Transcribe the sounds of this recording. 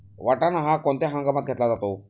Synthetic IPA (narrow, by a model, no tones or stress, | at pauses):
ʋaʈanaɦãkɔ̃nt̪eɦãŋɡamat̪̚ɡʱet̪lad͡zat̪o